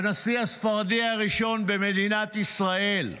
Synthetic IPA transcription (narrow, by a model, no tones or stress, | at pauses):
nasiasfaʁad̪ihaʁiʃo̞nbemed̪inat̪isʁae̞l